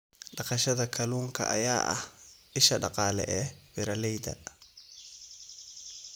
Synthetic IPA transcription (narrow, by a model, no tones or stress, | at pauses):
ɗɑqɑʃɐðɐkʰɐluːŋkʰɐ̰ʔɐ̰jaːʔɐ̰h | ɪʃɐɖɑqɑːlɛ̰ʔɛwɪɾɐlɛjd̪ɐ̰